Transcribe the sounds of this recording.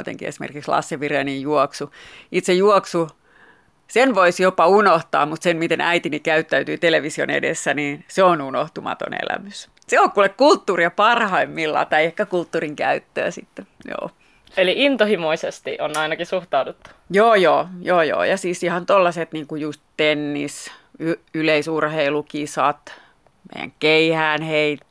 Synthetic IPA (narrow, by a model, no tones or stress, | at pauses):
t̪ḛŋkḭḛsimḛrkikslɑ̰sːeʋirenijjuɔksuit̪sejuɔksu | senʋoisjopɑunoht̪ɑ̰ːmut̪senmit̪enʔæit̪inikæyt̪ːæyt̪yːt̪eleʋisio̰nḛdḛsːæniːnseonunoht̪umɑ̰t̪o̰nḛlæ̰mys | seokːulekkult̪ːuːriɑpɑrhɑimmilːɑ̰ːt̪ɑiehkækult̪ːuːriŋkæ̰yt̪ːø̰ːsḭt̪ːejo̰ː | eliʔint̪ohimoisest̪ḭʔonɑinɑkisuht̪ɑudut̪ːu̥joːjoːjoːjo̰ːjɑsiːsihɑnt̪olːɑset̪niːŋkujust̪t̪enːisyyleisurheilukisɑt̪ | mḛijæ̰ŋkeihæːnheit̪